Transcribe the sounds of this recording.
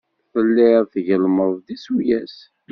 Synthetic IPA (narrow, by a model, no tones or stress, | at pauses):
fəlːɪʁθʝəlməðˤðisujæs